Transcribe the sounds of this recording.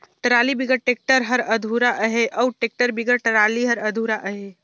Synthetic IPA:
ʈəɾaːlibiɡəʈeːk̚ʈəɾɦəɾəd̪ʱuɾaʔəɦeʔɔʈeːk̚ʈəɾbiɡəʈəɾaːliɦəɾəd̪ʱuɾaʔəɦe

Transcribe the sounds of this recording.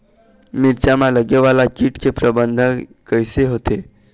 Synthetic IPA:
miɾt͡ɕamaləɡeʋalakiʈkʰepɾəbənd̪ʱəkəjseɦot̪e

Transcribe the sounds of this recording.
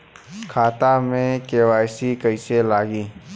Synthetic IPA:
kʰaːt̪amẽkeːwaːjsikəɪselaːɡiː

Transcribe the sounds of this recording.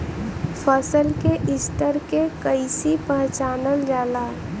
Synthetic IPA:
fʰəsəlkeʔɪst̪əɾkekəisipə̃ɦt͡ʃaːnəld͡ʒaːlaː

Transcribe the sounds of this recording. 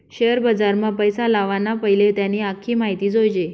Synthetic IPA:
ɕeəɾbəd͡zaɾmãpəjsalaʋanapəɦjlet̪janiːakʰiːmaɦit̪iːd͡zojd͡ʑe

